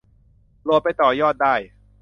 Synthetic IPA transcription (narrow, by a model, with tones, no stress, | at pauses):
lu˧pa˧jt̪ɔː˨˩jɔː˥˩t̪̚daː˥˩j